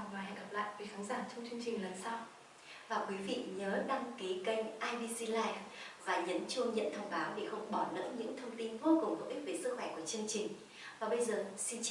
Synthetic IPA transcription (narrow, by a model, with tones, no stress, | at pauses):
laː˨˩ɦa̰˧˨jɡa˨˩p̚la̰ː˧˨jvi˨˩˦xaː˨˦nzaː˧˩t͡ɕŋ͡mt͡ɕwi˧ənt͡ɕi˨˩ŋ̟lə˨˩nsa˧w | vaː˨˩kwi˨˦vḭ˧˨ɲəː˨˦ɗa˧ŋki˨˦kə˧jŋ̟ʔaː˧jɓi˧si˧laː˧jfvaː˨˩ɲə˨˦nt͡ɕu˧əŋɲə̰˧˨nt̪ʰə˧wŋ͡mɓaː˨˦wɗḛ˨˩xə˧wŋ͡mɓɔ˧˩nə̰ː˧˥t̚ɲɨ̰˧˥ŋt̪ʰə˧wŋ͡mt̪i˧nvo˧kʊ˨˩ŋ͡mt̪ə̰˨˧˩wʔi˦˥k̚ve˨˩sɨ˦˥k̚xwɛ˧˩ku˧˩ət͡ɕɨ˧əŋt͡ɕï˨˩ŋ̟ | vaː˨˩ɓə˧jzəː˨˩si˧n